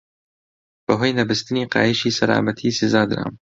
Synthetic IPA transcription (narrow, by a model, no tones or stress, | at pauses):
b̥ɨɦojnɐbɨst̪ɨniːqɑ̰ːjiʃiːsɐla̰ːmɐt̪ʰiːsɪzaːd̪ɾa̰ːm